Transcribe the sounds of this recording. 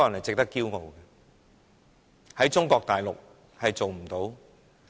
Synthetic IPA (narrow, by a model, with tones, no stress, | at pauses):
ɔ˥jɐ˨nhɐ˨jt͡sɪ˨k̚t̪ɐ˥kːiː˥wŋo˨wɡɛ˧ | hɐ˨˥jt͡sʊ˥ŋkɔː˧k̚t̪aː˨jlʊ˨k̚ | hɐ˨jt͡so˨wm̩˨˩t̪o˨˥w